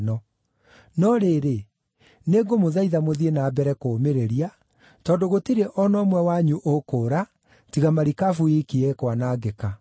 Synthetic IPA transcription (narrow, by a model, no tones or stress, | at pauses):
nɔ | nɔɾeɾe | neɡomoðaiðamoðienaːbɛɾɛkoːmeɾeɾia | tɔːndoɣotiɾeʔɔnɔmwɛwaɲuʔokoːɾa | tiɣamaɾikafuikiɛkwanaɡeka